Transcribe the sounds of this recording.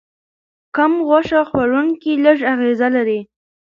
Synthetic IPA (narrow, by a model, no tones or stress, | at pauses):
kamɣwaʂaxwaɾunkiləʐaɣezalaɾi